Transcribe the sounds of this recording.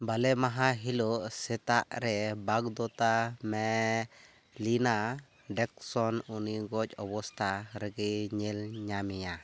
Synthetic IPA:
balɛmaɦaɦilɔsɛt̪aʔɾɛbaɡd̪ɔt̪amɛ | lina | ɖɛk̚sɔnuniɡɔc̚ɔbɔst̪aɾɛɡɛɲɛlɲamija

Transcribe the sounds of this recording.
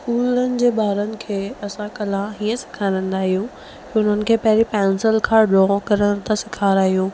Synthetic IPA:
skuːlənɪ̆d͡ʑeːɓaːɾənɪ̆kʰeːɐsãkɐlãɦiːə̃sɪ̥kʰaːɾə̃n̆d̪aːɦijũː | kːʊn̤ənɪ̆kʰeːpɐɦɪɾipɛ̃ːnsɪlkʰãːɖɔːkɐɾəɽ̃t̪ʰasɪkʰaːɾaːɦijũː

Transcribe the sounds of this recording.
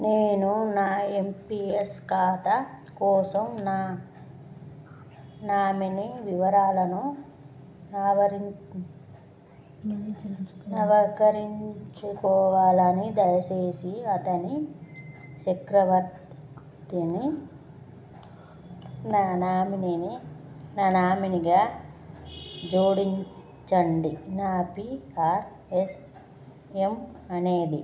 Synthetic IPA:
neːnunaːempieskaːt̪ɐkɔːsɐmnaː | naːminiʋiʋɐɾaːlɐnu | aːʋɐɾi | ɐʋɐkɐɾiɲt͡ʃukɔːʋaːlɐnid̪ɐjɐseːsiɐt̪ɐni | ʃɐkɾɐʋɐɾt̪ | t̪ini | naːnaːminininaːnaːminiɡaː | d͡ʒoːɽiɲ | t͡ʃɐɳɖinaːpiaːɾ | es | emɐneːɖi

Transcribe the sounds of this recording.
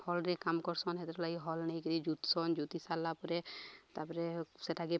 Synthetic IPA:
hɔlɾɛkamkɔɾsɔnɦɛt̪ɾɔlaɡiɦɔlnejkəɾid͡ʒut̪sɔnd͡ʒut̪isalːapɔɾɛt̪aɾpɔɾɛsɛtʰaɡɛ

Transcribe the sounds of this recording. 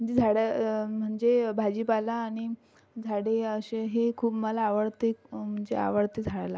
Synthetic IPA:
m̤əɳd͡zed͡zʱaɽam̤əɳd͡zebʱad͡ʑiːpalaːɽ̃i | d͡zʱaɽeəɕeɦekʰuːpməlaːʋəɽt̪ekm̤əɳd͡zea̰ʋəɽt̪ed͡zʱaɭala

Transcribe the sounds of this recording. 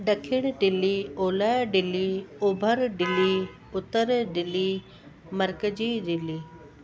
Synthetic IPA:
ɖəkʰɪɽ̃ɖɪlːioːlajɖɪliʊbʱəɾɖɪli | ʊt̪ːəɾɖɪlːi | məɾkəd͡ʒiːɖɪliː

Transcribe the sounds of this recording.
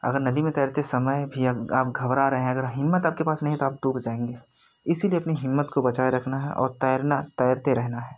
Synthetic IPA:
ɐ̰ɡəɾnɐd̪imẽt̪ɛːɾt̪esɐməjbʱiaaːp̚ɡʱɐʋɾaɾɐɦẽɦɛ̃ɐɡəɾɦɪmːət̪aːp̚kepaːsnɐɦĩt̪oaːp̚ʈuːpd͡ʒãːẽːŋɡeː | ɪsilieɐpniɦɪmːət̪kobɐt͡ʃaːjɾɐkʰnaɦɛ̰ʔɔ̰ːɾt̪ɛɾnat̪ɛːɾt̪eɾɛɦnaɦɛː

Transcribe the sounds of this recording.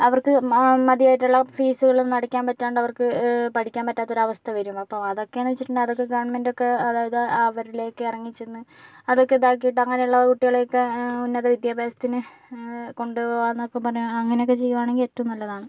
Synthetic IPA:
ɐʋɐrkɨmɐðijaːjiʈːuɭːɐfiːsuɣɐɭumnɐɽɐkʲːaːnpɐtːaːɳɖɐʋɐrkɨpɐʈʰikʲːaːmpɐtːaːt̪ːo̞ɾuɐʋɐst̪ʰɐʋɐɾumɐpːɐmɐðo̞kːe̞aːniʋet͡ɕːiʈːuɳɖɨɐðo̞kːe̞ɡɐʋɐɳmendo̞kːe̞ɐðaːjɐðɨaːʋɐɾileːokːeirɐŋːit͡ɕːenːɨ | ɐðo̞kːe̞d̪aːkːijiʈ̬ːɨɐŋːɐne̞uɭːɐkuʈːiɣɐɭejokːeunːɐðɐʋid̪jaːbʱjaːsɐ̥t̪ːinɨ | ko̞ɳɖɨoːanɐokːepɐrɐɲːumɐŋːɐnejokːe̞t͡ɕe̞jːuʋaːɳeŋɡiletːɐmumnɐlːɐðaːɳɨ

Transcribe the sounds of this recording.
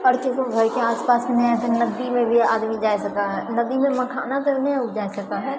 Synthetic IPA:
əɽkek̪oɡʱəɾkeaːspaːsmenɛat̪enəd̪imẽbʱiaːd̪mid͡ʒaːesəkaɦɛnəd̪imẽməkʰaːnat̪onɛ̃d͡ʒaːesəkaɦɛ

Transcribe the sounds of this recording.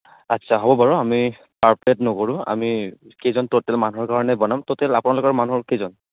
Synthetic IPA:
atːsʰaɦɔbɔbaɹɔami | paɹpletnɔkoɹʊ̃a̰mikezɔntotɛlmanuɦɔɹkaɹɔnɛbɔnamtotɛlapʊnalʊkɔɹmanuɦɔɹkezɔn

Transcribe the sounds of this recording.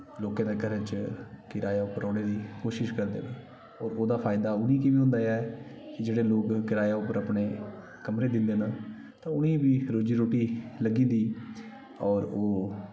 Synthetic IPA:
loːkãːd̪eːɡəɾẽːt͡ʃkɪɾaːjaːʊpːəɾɔ̃ːɽeːd̪iːkoːʃɪʃkəɾd̪ḛːna | ɔːɾoːd̪aːpʰaːɪd̪aːʊnĩːkiʋiːɦʊ̃nd̪aːjaːɛkɪd͡ʒeːɽeːloːkːɪɾaːjaːʊpːəɾapneː | kəmɾeːd̪ɪnd̪eːna | t̪ãːʊnĩːbiːɾoːd͡ʒiːɾoːʈiːləɡĩːd̪iː | ɔːɾoː

